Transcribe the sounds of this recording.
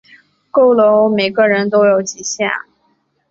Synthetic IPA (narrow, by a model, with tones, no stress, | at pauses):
ko˥˩ʊlo˧˥ʊme˨˩ɪɡə˧ɻə˧˥nt̪̬o˥ʊjo˧˥ʊt͡ɕi˨˩ɕja̰˥˩